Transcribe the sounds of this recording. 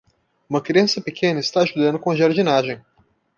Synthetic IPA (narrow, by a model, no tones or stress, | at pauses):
ũmɐkɾiɐ̃sɐpekʰẽnɐist̪aːʃud̪ɐ̃nd̪ʊkõɐʒaɾd͡ʒinaʒẽj̃